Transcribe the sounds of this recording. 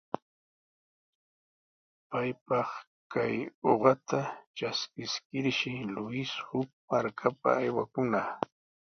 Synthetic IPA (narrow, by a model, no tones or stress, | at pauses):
pajpɑχ | kʰajoɢɑt̪at͡ʃaskɪskɪɾʃɪlʊɪshʊk̚maɾkʰapa̰ːjwakʊna